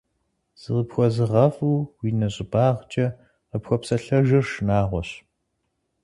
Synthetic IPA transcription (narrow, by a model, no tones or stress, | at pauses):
z̥ɨʁəpxʷɔzɨʁɐfuːwiːnɐɕʼɪbaːʁt͡ʃʼɐ | qəpxʷɔpsɐɬɐʒɐrʃnaːʁʷɔɕ